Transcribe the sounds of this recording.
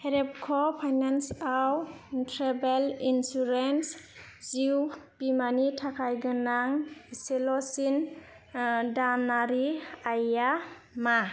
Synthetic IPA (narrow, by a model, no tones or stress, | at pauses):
heɾep̚kʰɔpʰajnansawntʰɾebelinsuɾens | ziwbimanitʰakʰajɡɯnaŋselɔsin | danaɾiaja | ma